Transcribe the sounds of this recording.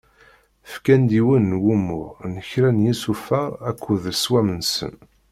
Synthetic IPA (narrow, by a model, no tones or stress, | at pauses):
fkænd̪iwənːwumːʊʁnəçɾænjisufæækʰʷːuðswæmənsə̰n